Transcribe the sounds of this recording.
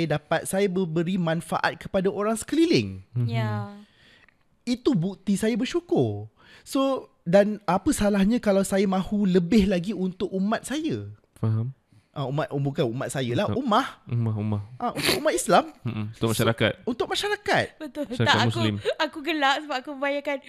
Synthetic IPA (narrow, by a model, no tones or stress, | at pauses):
jadapat̪̚sajabəbəɾimãnfa̰ʔa̰t̪̚kəpadaʔoɾaŋsə̥kəlilɪŋja | it̪ubuk̚t̪isajabərʃukʊr | so | danapəsalahɲãkalawsajamãhuləbɪhlaɡiunt̪ʊk̚umãt̪̚sajə | faɦam | ʔãumat̪ʔubukanumat̪̚sajalahumahumahumahʔaṵnt̪ʊkumat̪islamm̩nt̪ʊkmaʃaɾaka̰t̪̚unt̪ʊk̚maʃaɾakat̪̚bət̪ʊlaatamusulimakuɡəlaʔsəbap̚akubəbajakan